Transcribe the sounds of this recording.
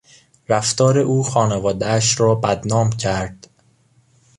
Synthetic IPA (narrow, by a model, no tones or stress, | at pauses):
ɾæft̪ɒːɾeʔuːxɒːnevɒːd̪eæʃɾɒːbæd̪nɒːmcʰæɾd̪̥